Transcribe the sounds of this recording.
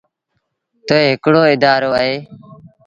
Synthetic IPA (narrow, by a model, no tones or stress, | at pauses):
t̪oːeːɦɪkɽoːɪd̪aːɾoːəɦeː